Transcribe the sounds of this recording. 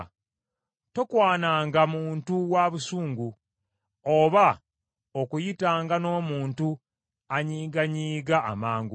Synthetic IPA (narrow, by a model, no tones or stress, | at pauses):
tokwaːnaːŋɡamuːntuwaβusuːŋɡu | oβa | okujitaːŋɡano̞ːmuːntu | aɲiːɡaɲiːɡa̰ːmaːŋɡu